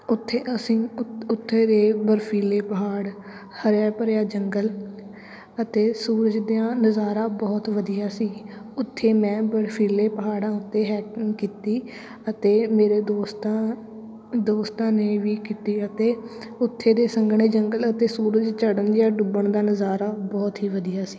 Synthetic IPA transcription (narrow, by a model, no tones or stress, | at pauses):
ʊt̪ʰːeːəsĩːʊt̪ʰːeːɾeːbəɾpʰiːleːpəɦaːɽ | həɾaːpəɾjaːd͡ʒəŋɡəl | ət̪eːsuːɾəd͡ʒd̪ejãːnəzaːɾãːbɔːt̪ʋəd̪ijaːsiːʊt̪ʰːeːmɛ̃ːbəɾpʰiːleːpəɦaːɽãːʊt̪ːeːɦɛːkkiːt̪iː | ət̪eːmeːɾeːd̪oːst̪a | d̪oːst̪ãːneːʋiːkiːt̪iːət̪eː | ʊt̪ʰːeːd̪eːsəŋɡɳ̃eːd͡ʒəŋɡələt̪eːsuːɾəd͡ʒt͡ʃəɽənd͡ʒjaːɖʊbəɳd̪aːnəzaːɾaːbɔːt̪ɦiːʋəd̪ijaːsi̥ː